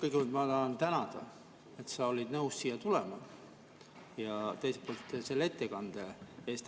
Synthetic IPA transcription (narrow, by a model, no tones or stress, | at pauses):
kɤjkmult̪mɑt̪ɑːnt̪ænɑd̪̥ɑ̰ | e̞t̪sɑolʲid̪̥nɤussiːjɑt̪ulemɑ | jɑt̪e̞jsepo̞ːlt̪ːˑse̞lːe̞t̪ːe̞kɑnd̪̥eeːst̪